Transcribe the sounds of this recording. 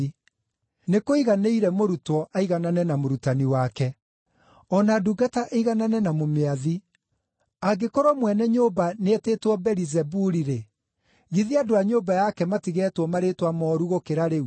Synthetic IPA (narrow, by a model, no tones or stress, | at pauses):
i | nekoiɣaneiɾɛmoɾutwɔʔaiɣananɛnamoɾutaniwakɛ | ɔnaduɡataʔeiɣananɛnamomeaði | aɡekoɾɔmwɛnɛɲoːbaneeteːtwɔbɛɾizɛbuɾiɾe | ɣiðiadoaɲobajakɛmatiɣɛːtwɔmaɾetwamɔːɾuɣokeɾaɾeu